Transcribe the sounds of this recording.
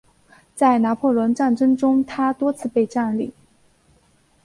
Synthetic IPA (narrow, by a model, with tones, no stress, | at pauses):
t͡sa˥˩ɪna˧˥pʰɔ˥˩lwə˧˥nʈ͡ʂa˥˩nʈ͡ʂɤ˥ŋʈ͡ʂʊ˥ŋt̪ʰa˥t̪wɔ˥t͡sʰɹ̩˥˧pe˥˧ɪʈ͡ʂa˥˧nli˥˩